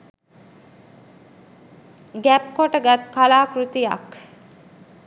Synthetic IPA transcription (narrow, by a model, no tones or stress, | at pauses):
ɡæp̚koʈəɡæt̪kalaːkɾut̪ija̰k